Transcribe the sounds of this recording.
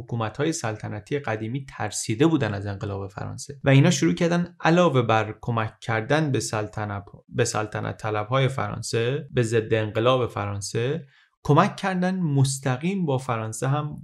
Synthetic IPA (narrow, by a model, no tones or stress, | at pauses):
okʰuːmæt̪hɒːje̞sælt̪ʰænæt̪ʰiːjeɢæd̪iːmiːt̪ʰæɾsiːd̪e̞buːd̪ænæze̞ŋɢe̞lɒːbe̞fæ̰ɾɒ̰ːnse̞væiːnhɒːʃoɾuːcʰæɾd̪ænd̪ʔælɒːve̞bæɾkʰo̞mæcʰːæɾd̪ænb̪ | besæ̰lt̪ʰænʔæ̰t̪ʰːælæb̥hɒːje̞fæ̰ɾɒ̰ːnsebe̞ze̞d̪ːe̞ːŋɢe̞lɒːbe̞fæɾɒːnse̞ | kʰo̞mæcʰːæɾd̪ænmost̪ʰæɣiːmbɒːfæɾɒːnseɦæm